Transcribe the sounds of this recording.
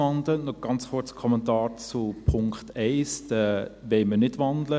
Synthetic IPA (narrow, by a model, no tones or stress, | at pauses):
ɑndlənɔɡ̥ɑnt͡sχʊɾt͡skʰɔmɛntɑːɾt͡supʰʊŋkχtɛɪsdɛʋɛɪmənɪtʋɑndlə